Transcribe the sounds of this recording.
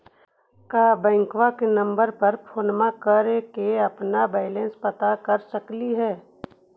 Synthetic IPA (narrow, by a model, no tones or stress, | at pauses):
kaːbɛ̃ːŋkwakenɐ̃mbəɾpɐɾpʰoːnmãkəɾekeɐpnabaːɪlẽːnspɐt̪akɐɾsəkliɦɛː